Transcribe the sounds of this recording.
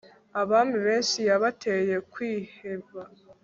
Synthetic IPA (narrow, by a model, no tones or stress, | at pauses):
aβaːmbiβe̞ːnʃijaβatʰe̞je̞kwiːhe̞βa